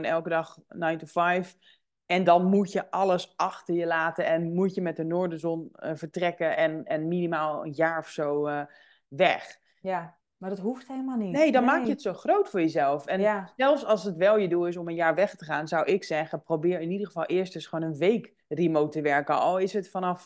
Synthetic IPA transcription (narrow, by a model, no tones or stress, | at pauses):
nɛlˠkədɑχnajntufɛjf | ɛndɔnmutjəʔɑlˠəsɑxtəɹjəlaːtənɛnmutjəmɛt̚dənoːɹdənzɔnəvəɹtrɛkəɛnɛnminimaːlˠə̰njaːɹɔfsow | ʋɛχ | madɔtɦuftheləmaninejdɔnmaːkjəətsowχrowtfʊːɹjəzɛlˠfɛnsɛlˠfsɑlˠsətʋɛlˠjəduɪs̬ɔmənjaːɹʋɛχtəχaːnzawɪksɛɣəprobɪːɹɪnidərχəvɑlˠʔɪːɹstəsχʋoːnənʋejk | rimowtəʋɛɹkənoɪsətfɑnɑf